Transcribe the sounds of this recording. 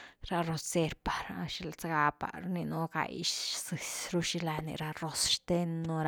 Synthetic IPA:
ɾa˧ro˧sse˧ɾpḁ˨ɾa˧ʃi˦lt͡saɡa˦pa̰˨ɾni˧nu˦ka̰˨jʃsɨ˨sɾu˦ʃi˧la˧nḭ˧ɾa˧ro˧sʃt̪e˦nːu˧ɾa˦

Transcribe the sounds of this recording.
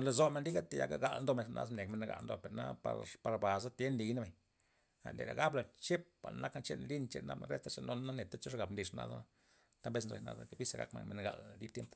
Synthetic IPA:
la˧zo˧˨me˧nli˦ɡa˦t̪e˨ja̰˧ɡa̰˦ɡa˧lnd̪o˦me˧nʂnʔa̰˧zmne˨kme˧n˧ɡa̰˨lnd̪o˧pe˨ɾna˦pa̰˧ɾpa˧ɾba˨za˦t̪je˦nli˨na˦be˨ɲ | a̰˨nd̪ḛ˨ɾa˨ɡa˦bla˧t͡ʃe˦p̚ba̰˨lna˦ka˦t͡ʃḛ˦nli˦nt͡ʃḛ˧ɾna̰˦ba̰˦ɾḛ˦t̪a˦ʂa˧no˦n˦na˦ne˨t̪a˦t͡ʃo˦ʂɡa˨bmli˨ʂna̰˦za̰˦ | t̪a˦mbe˦snzo̰˧jna̰˧da̰˦ke˧˦bi˦se˧˨ɡa̰˧kmḛ˨nme˧nɡa̰˨ld̪i˦b̚t̪je˦mpo̥˨

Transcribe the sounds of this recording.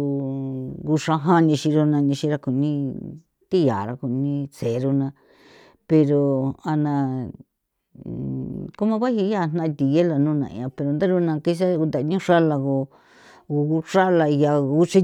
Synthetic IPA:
ɣu˧ʂa˧ɦã˦ɲĩ˧ʃĩ˧ɾo˧nã˧ɲĩ˧ʃĩ˧ɾa˧ku˨nĩ˦ | t̪i˦ja˨ɾa˧ku˨nĩ˧se˨˧ɾo˧nã˧ | pe˧ɾo˨˧a˧nã˧ | ko˦mã˧˦βa˦hi˧˦ja˦˨˧n̥nã˦˧t̪i˨je˦la˧nũ˦˧nã̰˧ã˧pe˧ɾo˧nd̪a˦ɾu˦˧nã˧ki˦˧s̬a˦˧u˧nd̪a˨˧ɲũ˦ʂa˦la˧ɣo˧ | u˧u˦ʂa˦la˧ja˧u˦t͡ʃi˦

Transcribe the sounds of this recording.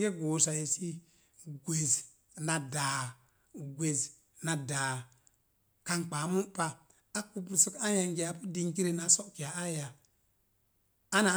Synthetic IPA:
ɡe˦ɡo˨sa˨je˨si˦ | ɡʷe˨z | na˨daː˨ | ɡʷe˨z | na˨daː˨ | ka˦ŋk͡pa˨˦mu˦pa˦ | a˦ku˦bu˨su˦ka˦ja˨ŋɡi˨a˨pu˦di˦˨ŋki˦ɾe˦na˨sɔ˦ʔki˨a˨a˦ja˨ | a˦na˨

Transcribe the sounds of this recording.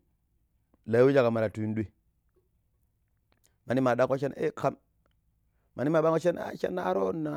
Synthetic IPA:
la˨jwi˦d͡ʒa˨ka˨ma˨ɾa˨tu˨i˦ndu˦i˦ | ma˨ni˦ma˨da˦ko˦ʃe˦nḛ˦ka˦m | ma˨ni˦ma˨ɓa˦ŋo˦ʃe˦na̰˦˨ʃḛ˦na˦ɾo˦nːa˨

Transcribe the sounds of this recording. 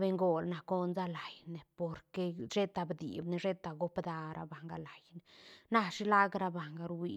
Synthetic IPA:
be˧ŋɡo˨lna˨ko˦nza˦la˨jne˨po˨ɾke˧ʃe˦t̪a˨bd̪ḭ˨bne˧ʐe˦t̪a˨ɡo˦pd̪a˧ɾʔa̰˧ba˨ŋɡa˧la˨jne˨na˦ʂi˦la˦ɡɾa˧ba˨ŋɡa˧ɾwi˧

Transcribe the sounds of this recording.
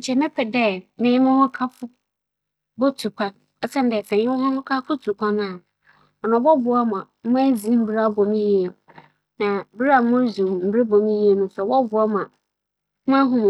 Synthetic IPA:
ɲ̩˨t͡ɕʰɛ˨mɛ̃˦pʰɛ˨dɛ˦˨nɪ̃˦mʊ̃˦hʊ̃˦kʰa˦fʊ˦ | bo˦tʰu˨kʰã˨n | ɛ˦sã˦n˦dɛ˨sɛ̃˨˦ɪ˦wɔ˦hʊ̃˦nʊ̃˦kʰa˦fʊ˦tʰu˨kʷʰa˦nã˦˨ | ɔ˨nã˨˦bɔ˦bʊ˨˦a˦m˨ã˨m̩˦ba˦zi˨˦m̩˦bi˦ɾa˦˨bõ˨mĩ˦ji˦e˨ | nã˨bi˦ɾa˨˦mʊ̃˦zũ˨m̩˦bɾe˦bõ˨mĩ˦ji˦e˨˦nʊ̃˨sɔ˨bɔ˦bʊ˦a˦m˨ã˨˦ | ã˦ɦʊ̃˦m˨

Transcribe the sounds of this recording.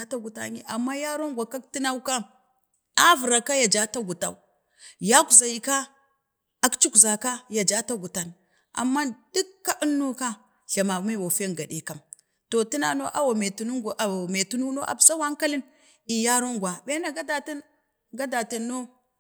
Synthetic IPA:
a˦ta˦ɡu˨ta̰˦ɲḭ˦ʔa˨mːa˦ja˦ɾo˦ŋɡʷa˨ka˦k̚ti˦na˦wka˦ | a˦vu˨ɾa˨ka˦ja˨d͡ʒa˦ta˦ɡu˨ta̰˦u˦ | ja˦ku˨za˨ji˨ka˦ | a˦kt͡ʃu˦kza˨ka˦ja˨d͡ʒa˦ta˦ɡu˨ta˨n | ʔa̰˨mːa˦di˦kːa˦ʔu˦nːo˦ka˦ | ɬa˨ma˨ma˦wa˨fe˦ŋɡa˨ɗḭ˨ka˨m | to˨ti˦na̰˦no˦ʔa˦wa˨me˨tu˨nu˦ɡʔa˨me˨tu˦nu˦no˦ʔa̰˨bsa˦wa˦ŋka˦li˦n | i˨ja˦ɾo˦ŋɡʷwa˨be˦na˨ɡa˦da˨ti˦n | ɡa˦da˨ti˨nːo˦

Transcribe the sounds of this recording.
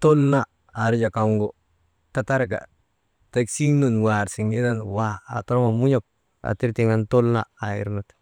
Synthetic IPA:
to˦lnaː˦˨ | ɾi˦d͡ʒa˨ka˨ŋɡo˦ | ta˨ta˦ɾɡa̰˨ | ta˦ksi˦ŋnu˦˨nwa˨ɾsi˨ŋɡi˦da˦nwa̰ː˦˨to˦ɾo˦ma˨mu˦ɲo˦˨k̚ | a̰˨ti˦ɾti˨ŋa˦nto˦lnaː˦˨ḭ˦ɾno˦t

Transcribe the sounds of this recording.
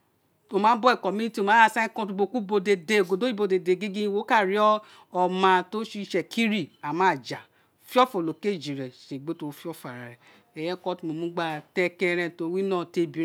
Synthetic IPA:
o˧˨mã˨˦bɔ˦ɛ˨kɔ˨mi˦i˦ti˦o˧mã˨˦a˧˨sã˦ĩ˦kɔ̃˧tu˧ɡ͡bo˧˨ku˦bo˧de˧de˧o˨ɡo˨do˦i˦bo˧de˨de˨ɡi˦ɡĩ˦wo˨˦ka˦˨ɾi˨˦ɔ˦ | ɔ˧mã˧to˦ʃi˧˦ʃɛ˧kʰi˦ɾi˦˨a˨mã˨˦˨d͡ʒa˨ | fi˦ɔ˦fo˨lo˨ke˦˨d͡ʒi˨ɾɛ˨ʃe˨ɡ͡be˦to˧˦fi˦ɔ˦˨fa˨ɾa˨ɾɛ˨ | ɛ˨jɛ˦kɔ˦ti˧˦mo˨mũ˦ɡ͡ba˧tɛ˦kɛ̃˧ɾɛ̃˧˨to˨˧˦wi˦nãː˦˨te˧bi˨˦ɾ

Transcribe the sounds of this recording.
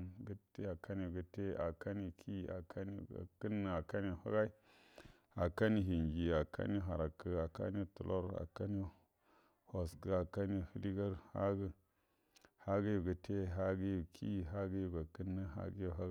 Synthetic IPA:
ɡə˦te˦a˨ka˦ni˨ɡə˨te˦a˨ka˦ni˦kʰi˦˨a̰˨kʰa˦nḭ˦˨kə˦nːə˨a˨ka˦ni˦˨ha̰˦ɡa˦i˦ | a˨ka˦ni˦ɦi˨nd͡ʒi˨a˨ka̰˦ni˦ɦa˨ɾa˨kə˨a˨ka̰˦ni˦tu˨lo˦ɾa̰˨ka˦ni˦ | ho˨skə˨a˨ka˦ni˦hə˦li˦ɡa˦ɾha̰˦ɡə˦ | ha˦ɡi˦ju˨ɡə˨tʰe˦ɦa˦ɡi˦ju˨kʰi˦˨ɦa˦ɡi˦ju˨ɡa˨kə˦nːə˦ɦa̰˦ɡi˦ju˨ɦa˦

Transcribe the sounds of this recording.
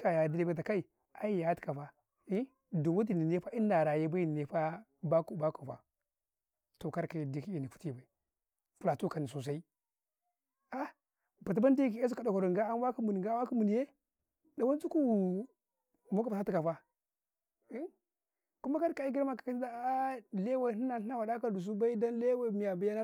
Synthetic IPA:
ka˨ja˨di˦li˦ba˦˨a˨ka˦i˨ | a˦i˦ja˨˦ti˨ka˨fa˦ | du˨wu˦t̬i˨ni˨ne˦fa˦i˦nː˦a˨ɾa˨je˦ba˦i˦ni˨e˦fa˦ | ba˦ku˨ba˦ko˨fa̰˨ | to˨ka˦ɾka˨di˨ki˦i˨ni˨ku̥˦ti˦ba˨i˨ | fu˨la˨tu˦ka˨ni˨s̬o˨s̬a˦i˦ | a˦ | ba˨t̬i˦ba˦n˦di˦ki˨e˦s̬u˦ka˨da˨ko˨ɾo˨ŋ˨ɡa˦a˦n˦wa˦ki˦mu˨ni˨ɡa˦wa˦ki˦mu˨ni˨je˦ | da˨wa˦n˦t͡su˦ku˦˨ | mo˦ka˨ba˨sa˦ti˦ka˨fa˦ | i˦ | ku˦ma˦ka˦ɾka˨i˦ɡi˦ɾma˦ka˨ka˦i˦da˦˨le˦wa˦˨ni˦na˨˦na˦wa˨da˦ka˨du˨s̬u˦ba˦i˦da˦nle˦wa˦˨mi˨ja˨ba˦ja˦na˦

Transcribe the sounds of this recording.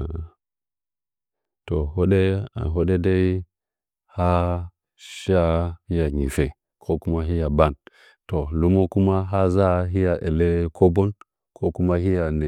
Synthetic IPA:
to˨ɦo˦ɗe˦a̰˨ɦo˦ɗe˦de˦i˦ | ha˦ | ʃa˦hi˦ja˨ɡi˨fe˨ | kʰo˦ku˦ma˦ɦi˦ja˨ba˦˨n | to˨lu˦mo˦ku˦ma˦ɦa˦za˦ɦi˦ja˨ʔe˨le˦kʰo˦bo˦n | kʰo˦ku˦ma˦ɦi˦ja˨ne˨

